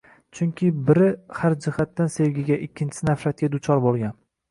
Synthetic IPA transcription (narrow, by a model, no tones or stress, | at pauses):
t͡ʃʰʊŋkʲʰɪbɪɾɪhaɾd͡ʒɪhat̪ːanse̞vɡʲɪɡʲaʔɪkʲʰːɪnt͡ʃʰɪ̥sɪnafɾat̪̚ɡʲad̪ʊt͡ʃʰɒɾbolˠɡʲan